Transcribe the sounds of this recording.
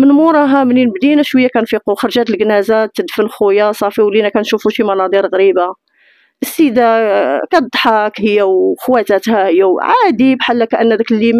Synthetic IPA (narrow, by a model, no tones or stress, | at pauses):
mənmuɾˤɑɦæmninəbd̪inæʃwəjːækænfiquxɑɾˤʒæt̪əlɡnæzat̪ːəd̪fənxujasˤɑfiwlinækænʃufuʃimɑnɑd̪ˤiɾɣɾiba | ʔəsːid̪akæd̪ˤħɑkhəjːæwxwæt̪æt̪hæhəjːæwʕad̪ibħalːækæʔənːæd̪æklːim